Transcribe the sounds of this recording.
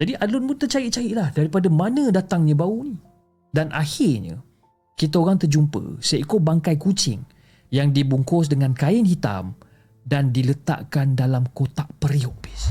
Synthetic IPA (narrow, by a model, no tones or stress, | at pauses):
d͡ʒadiʔadlʊnmunt̪ərt͡ʃaiʔt͡ʃaiʔlahdaɾipadamanə̃dat̪aŋɲãbauni | danʔa̰hɪrɲə̰̃ | kit̪̬aoɣaŋt̪ərd͡ʒumpə̰saaikʊt̪̚baŋkajkut͡ʃɪ̰ŋ | jaŋdibuŋkɔs̬dəŋankaɪnhit̪a̰m | dandilət̪a̰ʔkandalamkot̪aʔpəɾioʔpi̥s